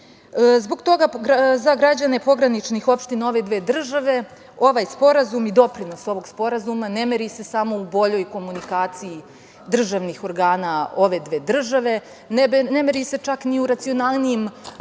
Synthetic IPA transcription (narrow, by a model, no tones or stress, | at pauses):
zbo̞ɡt̪o̞ɡazaɡɾad͡ʑane̞po̞ɡɾanit͡ʃnixo̞pʃt̪inao̞ʋe̞d̪ʋeːd̪r̩ʒaʋe̞ | o̞ʋajspo̞ɾazumid̪o̞pɾino̞so̞ʋo̞ɡspo̞ɾazumane̞meɾise̞samo̞ubo̞ʎo̞jko̞munikaːt̪siː | d̪r̩ʒaʋnixo̞ɾɡaːnao̞ʋe̞d̪ʋe̞ːd̪r̩ʒaʋe̞ | nbnemeɾise̞t͡ʂakniuɾat̪sio̞naːlˠniim